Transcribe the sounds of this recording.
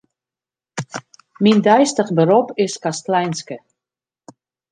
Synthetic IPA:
mindɛjstəχbəɾɔpɪskastlɛjnskə

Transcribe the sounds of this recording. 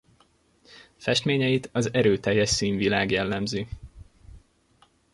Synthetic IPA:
fɛʃt̪meːɲɛjit̪ɒzɛɾøːt̪ɛjːɛʃsiːɱvilaːɡjɛlːɛmzi

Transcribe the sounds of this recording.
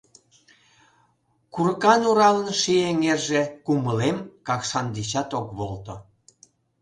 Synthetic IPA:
kuɾkɑnuɾɑlənʃijeŋerʒekuməlemkɑkʃɑnd̪et͡ɕɑt̪okβolt̪o

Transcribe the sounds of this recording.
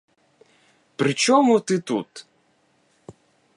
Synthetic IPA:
pɾɪt͡ʃɔmut̪ɨt̪ṵt̪

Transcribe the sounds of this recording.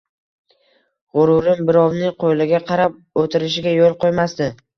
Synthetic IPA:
ʁʊɾʊɾɪmbɪɾɒwnɪqʰojlɪɡʲaqʰɑɾap̚ot̪ʰɪɾɪʃɪɡʲajolˠqojmast̪ɪ

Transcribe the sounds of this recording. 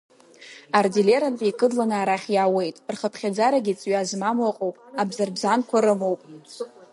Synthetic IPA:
ardile̞ɾantʼikʼɨdlanɨaɾaχʲjaːwe̞jtʼrχəpʰχʲad͡zaɾaɡʲit͡sʼɥazmamwaqʼowpʼabzarbzankʷʰaɾɨmo̞wpʼ

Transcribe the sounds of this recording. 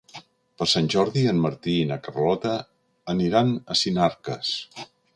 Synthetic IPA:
pəɾsanʲʒɔɾðiənməɾt̪iːnəkərlɔt̪əː | niɾanəsinaɾkəs

